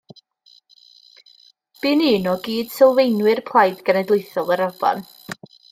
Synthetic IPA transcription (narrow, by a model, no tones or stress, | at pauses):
b̥iːniːnɔɡiːd̥sɪlˠvejnwɨrpʰlˠajdɡənɛdlˠejθɔlˠəɾavɔ̰n